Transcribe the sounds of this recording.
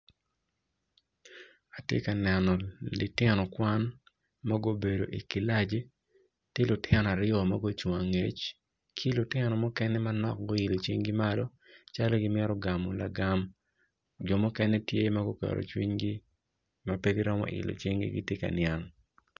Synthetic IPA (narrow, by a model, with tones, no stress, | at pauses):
a˨tjḛ˦ka˨nɛ˨nɔ˨lɪ˨tɪ˦nɔ˨kwa˦n | ma˦ɡo˦be˨do̰˨ʔi˨ki˨la˦d͡ʒi˦ | ti˦lʊ˨tɪɛ˦nɔ˨a˨ɾɪɔ˨ma˦ɡo˦t͡ʃo˨a˨ŋe˨t͡ʃ | kʰi˦lʊ˨tɪ˦nɔ˨mɔ˦kɛ˦nɛ˦manɔ˦k̚ɡo˦ɪ˨lo˨t͡ʃwi˦ŋɡi˦ma˦lɔ˦ | t͡ʃa˦lo˦ɡɪ˦mɛ˦ɾɔ˦ɡa˨mɔ˨la̰˨ɡa˨m | d͡ʒɔ˨mɔ˦kɛnɛ˦tje˦ma˦ɡo˦kɛ̰˨ɾo̰˨t͡ʃwi˦ɲɡi˦ | ma˦pe˦ɡi˦ɾɔ˦mɔ̰˦ʔɪ̰˨lo̰˨t͡ʃwi˦ŋɡḭ˦ɡi˦tje˦ka̰˨nɪja˨n